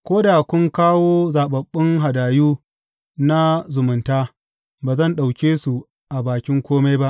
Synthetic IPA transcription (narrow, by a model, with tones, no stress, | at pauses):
kʷoː˦da˨kʷʊ˦ŋkaː˦woː˦zaː˨ɓɐ˨ɓːɪ˦ŋɦa˨daː˨juː˦ | na˦zʊ˨mʊ˨ntaː˦ | baː˨zɐ˦˨nɗa˨wkʲeː˦su˨ | ʔa˨baː˨kʲɪ˦ŋkʷoː˦ma˦jba˦ʔ